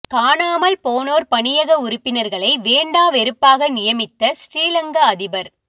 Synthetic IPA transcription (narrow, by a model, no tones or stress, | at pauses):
kaːɳaːmɐɭpoːnoːɾpɐɳɪjɐɣɐʊɾʊpːɪnɐɾɣɐɭɐɪʋeːɳɖaːʋɛɾɯpːaːɣɐnɪjɐmɪt̪ːɐsʈɾiːlɐŋɡɐːðɪbɐɾ